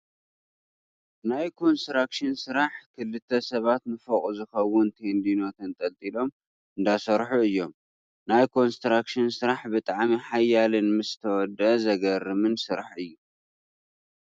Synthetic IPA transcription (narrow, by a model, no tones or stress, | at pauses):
najkʰo̞nst̪ɾakʃɨnsɨɾaħkʰɨlɨt̪ʰːɐsɐβat̪mɨfɐkʼuzɨxɐwːʊnt̪ʰend̪ino̞t̪ʰɐnt̪ʼɐlt̪ʼilo̞m | ɨnd̪asɐɾħuɨjːo̞m | najkʰo̞nst̪ɾakʃɨnsɨɾaħbɨt̪ʼaʕmiħajːalɨnmɨsɨt̪ʰɐwɔd̪ʔɐzɐɡɐɾɨmɨnsɨɾaħɨjːu